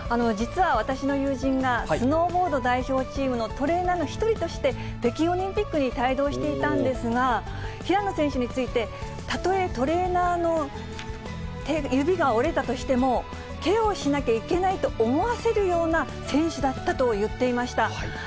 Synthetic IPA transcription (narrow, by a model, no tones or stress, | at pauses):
ano̞d͡ʑit͡sɨβaβ̞at̪aɕino̞jɯːʑĩŋɡassɨno̞ːbo̞ːd̪o̞d̪aiço̞ːt͡ɕiːmɯ̟not̪o̞ɾe̞ːnaːno̞çi̥t̪o̞ɾʲit̪o̞ɕi̥t̪e̞b̥̪e̞kʲio̞ɾʲĩmpʲikːɯɲ̟it̪aid̪o̞ːɕi̥t̪e̞it̪ãnd̪e̞sɨɡa | çiɾãnːo̞sẽ̞ɰ̃ɕɯɲ̟it͡sɨit̪e̞ | t̪at̪o̞e̞t̪o̞ɾe̞ːnaːno̞ | t̪ejɯ̟bʲiɡao̞ɾe̞t̪at̪o̞ɕi̥t̪e̞mo̞ | ke̞o̞ɕinakʲaike̞nait̪o̞ʔːmo̞βase̞ɾɯ̟jo̞ːna | sẽ̞ɰ̃ɕɨd̪at̪ːat̪o̞jɯ̟t̪ːe̞imaɕi̥t̪a